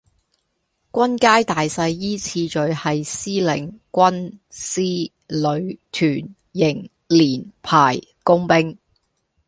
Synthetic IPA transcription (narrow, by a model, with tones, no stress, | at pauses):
kʷɐ˥nkaː˥jt̪aː˨jsɐ˧jːiː˥t͡sʰiː˧t͡ʃɵ˨˧ɥhɐ˨jsiː˥lɪ̰˨˩ŋkʷɐ˥nsiː˥ | lɵ˨˧ɥt̪ʰyː˨˩n | jɪ˨˩ŋ | liː˨˩npʰaː˨˩j | kʊ˥ŋpɪ˥ŋ